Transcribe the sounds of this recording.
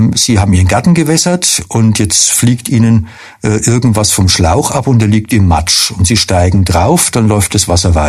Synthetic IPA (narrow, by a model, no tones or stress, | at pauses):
z̥iːhaːbm̩iːʁənɡ̥aɐtn̩ɡəvɛsɐtʔʊntjɛt͡stfliːktʔiːnən | ʔɛːʔɪɐɡŋ̩tv̥asfɔmʃla̰ʊxʔapʊntdɛɐliːk̚tɪmːa̰t͡ʃʊntz̥iːʃtaɪɡŋ̩dʁaʊfd̥anlɔʏft̚d̥asv̥asɐvaɪ